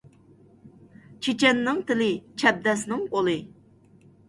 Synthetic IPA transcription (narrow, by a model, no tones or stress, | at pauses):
t͡ʃʰet͡ʃʰɛnːɪŋt̪ɪlɪt͡ʃʰɛb̚d̪ɛsnɨŋbolˠɨ